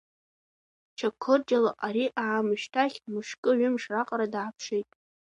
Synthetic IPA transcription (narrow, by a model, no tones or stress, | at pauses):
t͡ʃʰakʷʰːɨrd͡ʒalaʔaɾiʔaːmɨʃtʰaχʲmɨʃkʼɨɥʏmʂraqʼaɾadaːpʰʂejtʼ